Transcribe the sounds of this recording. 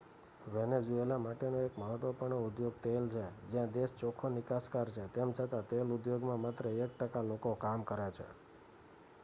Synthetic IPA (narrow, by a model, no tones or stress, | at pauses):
ʋɛned͡ʒuelamaʈenoekməɦət̪ʋəpəɳ̃oud̪joɡ̚t̪elt͡ʃʰed͡ʒjãd̪est͡ʃɔkʰonɪkaskaɾt͡ʃʰet̪emt͡ʃʰət̪at̪elud̪joɡmãmat̪ɾəek̚ʈəkalokokamkəɾat͡ʃʰḛ